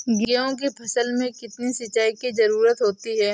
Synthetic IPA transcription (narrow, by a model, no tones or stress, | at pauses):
ɡeõk̬ipʰɐsəlmẽkɪt̪nisɐt͡ʃːaːikizɐɾuːɾət̪ɦoːt̪iɦɛː